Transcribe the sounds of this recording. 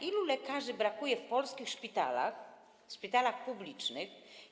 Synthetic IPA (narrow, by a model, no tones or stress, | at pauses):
ʔilulɛkaʐɘbɾakujɛfpɔlskʲixʂpʲit̪a̰la̰x | fʂpʲit̪alaxpublʲit͡ʂnɘx